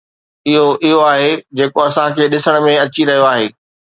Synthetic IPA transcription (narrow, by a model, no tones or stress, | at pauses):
ɪɦoʔɪɦoaːɦed͡ʑeːkoɐsãkʰeːɗɪsəɽ̃̆mẽɐt͡ɕiɾɐɦijoaːɦeː